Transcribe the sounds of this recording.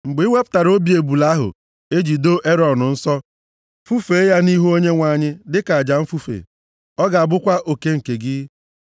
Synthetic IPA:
ŋ͡m̩˨ɡ͡bŋʷe˦pʊ̥˨˦ta˨ɾo˦bi˨e˨bu˨la˦ɦʊ̰˨ | e˦d͡ʒi˨do˦ʔe˦ɾɔ˨nʊ˨n̩˦sɔ˦ | fu˦fe˨˦ja˦ni˦ɦu˦o˦ɲe˦ŋʷa˨ɲɪ˦dɪ˦ka˨a˨d͡ʒa˨m̩˦fu˦fḛ˨ | ɔ˦ɡa˨a˨bʊ˦kʷa˦ʔo˨ke˦ŋ̩˨ke˨ɡɪ˦

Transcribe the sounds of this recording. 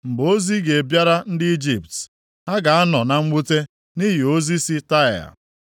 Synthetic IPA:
ŋ͡m̩˨ɡ͡bo˦zi˦ɡe˨bja˦ɾa˦n̩˦dɪ˦i˦d͡ʒi˨p̚t | ɦa˦ɡa˨a˦nɔ˨na˨ŋ͡m̩˦ɡ͡bu˦te˦ | ni˦ɦi˨o˦zi˦si˦ta˦˨a̰˨

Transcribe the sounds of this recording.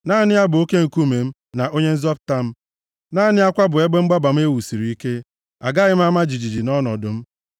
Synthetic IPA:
naː˦˨nɪ˦a˦bʊ˨o˦ke˦ŋ̩˨ku˦˨me˨m̩˦ | na˨ʔo˦ɲe˦n̩˦zɔ˦p̚ta˦m̩˦ | na˦nɪ˦a˦kʷa˦bʊ˨e˦ɡ͡be˦ŋ͡m̩˦ɡ͡ba˦ba˨m̩˦e˦wu˨si˨ɾi˨i˦ke˦ | a˨ɡa˦ɣɪ˦m̩˦a˦ma˦d͡ʒi˨d͡ʒi˨d͡ʒi˨nɔ˦nɔ˨dʊ˨m̩˦

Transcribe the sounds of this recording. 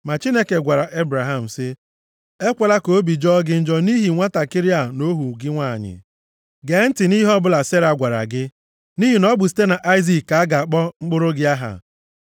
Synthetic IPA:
ma˨t͡ʃi˦ne˦ke˨ɡʷa˨ɾa˨ʔe˦bɾa˨ɦa˦m̩˨sɪ˦ | e˦kʷe˨la˦ko˨˦bi˨d͡ʒɔ˦ɡɪ˦n̩˦d͡ʒɔ˦ni˦ɦi˨ŋʷa˦ta˨kɪ˦ɾi˦a˦˨no˦ɦu˨ɡɪ˦ŋʷaː˦˨ɲɪ̰˨ | ɡe˨˦n̩˦tɪ˨ni˦ɦɔ˦bʊ˦la˨se˦ɾa˨ɡʷa˨ɾa̰˨ɡɪ˦ | ni˦ɦi˨nɔ˦bʊ˨s̬i̥˦te˦na˨ʔa˦ɪ˦zi˨kka˨˦a˦ɡa˨k͡pɔ˦ŋ͡m̩˦k͡pʊ˦ɾʊ˦ɡɪ˦a˦ɦa̰˨

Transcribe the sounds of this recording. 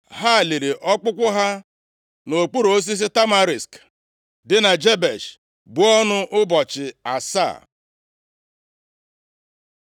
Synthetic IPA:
ɦa˦˨li˨ɾi˨ʔɔ˦k͡pʊ˦kʷʊ˦ɦa˦ | no˨k͡pu˦ɾo˦s̬i˦s̬i˦ta˦ma˨ɾi˨sk | dɪ˦na˨d͡ʒe˦be˨ʃ | bu˨ɔ˦nʊ˦ʔʊ˦bɔ˨t͡ʃɪ˨a̰˨sa̰ː˦˨

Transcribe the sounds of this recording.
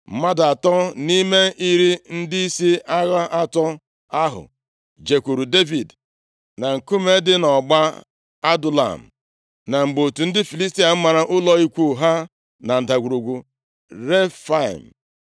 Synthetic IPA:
m̩˦ma˦da˨tɔ˦ni˦me˦ʔi˦ɾi˦n̩˦di˦i˦si˦ʔa˦ɣa˦ʔa˦tɔ˦ | a˦ɦʊ̰˨ | d͡ʒe˨kʷu˨ɾu˨de˦vi˨d | na˨ŋ̩˨ku˦me˦dɪ˦nɔ˨ɡ͡ba˦ | a˦dʊ˨la̰˨m̩˨ | na˨ŋ͡m̩˨ɡ͡bo˨tu˨n̩˦dɪ˦fi˨li˦s̬ti˦a˨m̩˦ma˨ɾa˨ʔʊ˦lɔ˦i˦kʷu˦˨ɦa˦ | na˨n̩˨da˨ɡʷu˨ɾu˨ɡʷu˨ | ɾe˦fa̰˦˨m̩˨

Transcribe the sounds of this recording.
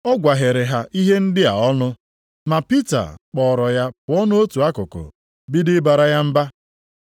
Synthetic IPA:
ɔ˦ɡʷa˨ɦe˨ɾe˨ɦa˦ʔi˦ɦe˦n̩˦dɪ˦a̰˨ɔ˦nʊ˦ | ma˨pi˦ta̰˨k͡pɔ˨ɾɔ˨ja˦pʊ˨ɔ˦nʊ˦o˦tu˨a˦kʊ˨kʊ̰˨ | bi˦dɪ˦ba˨ɾa˦ja˦m̩˦ba˦

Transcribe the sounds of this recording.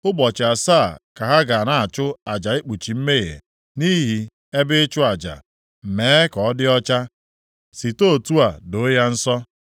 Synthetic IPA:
ʊ˦bɔ˨t͡ʃa˨saː˦˨ka˨ɦa˦ɡa˨na˨a˨t͡ʃʊ˦a˨d͡ʒa˨e˦k͡pu˨t͡ʃi˨m̩˦me˦ɣḛ˨ | ni˦ɦi˨ | e˦bɪ˦ɪ˦t͡ʃʊ˦a˨d͡ʒa̰˨ | m̩˨meː˨˦kɔ˨ɔ˦dɪ˦ɔ˦t͡ʃa˦ | si˨to˦˨tu˦a˨do˨˦ja˦n̩˦sɔ˦

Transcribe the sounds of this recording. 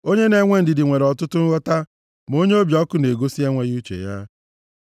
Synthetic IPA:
o˦ɲe˦ne˨ŋʷe˦n̩˨dɪ˨dɪ˨ŋʷe˨ɾɔ˨tʊ˦tʊ˦ŋ̩˦ɣɔ˦ta˦ | m˨o˦ɲe˦o˦bjɔ˦kʊ˦ne˨ɡo˦si˦e˦ŋʷe˦ɣu˦t͡ʃḛ˨ja˦

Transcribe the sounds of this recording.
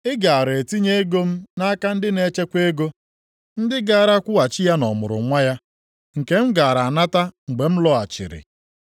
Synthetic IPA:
ɪ˦ɡa˨a˨ɾe˨ti˦ɲe˦e˦ɡo˦m̩˦na˦ka˦n̩˦dɪ˦ne˨˦t͡ʃe˦kʷe˦ɡo˦ | n̩˦dɪ˦ɡa˦˨ɾa˦kʷʊ˦a˨t͡ʃɪ˦ja˦nɔ˨mʊ̰˨ɾʊ̰˨ŋʷa˦ja˦ | ŋ̩˨ke˨m̩˦ɡa˨ɾa˨na˦ta˦ŋ̩˨ɡ͡be˨m̩˦lɔ˦a˨t͡ʃɪ̰˨ɾɪ̰˨

